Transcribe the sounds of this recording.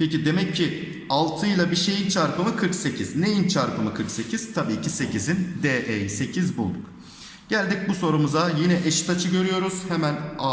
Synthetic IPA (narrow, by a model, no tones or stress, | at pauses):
pʰecid̪e̞mɛcʰːi | alˠt̪ʰɯjlˠabiʃe̞jint͡ʃʰaɾpɯmɯkʰɯɾkse̞cʰiznejint͡ʃʰaɾpɯmɯkʰɯɾkse̞cʰiz̥t̪ʰabiːcʰise̞cʰizind̪eʔejse̞cʰizbulˠd̪uk | ɟ̥ælʲd̪ic̚buso̞ɾumuzajinɛʔɛʃi̥t̪ʰat͡ʃʰɯɟø̞ɾyjo̞ɾuz̥hemæna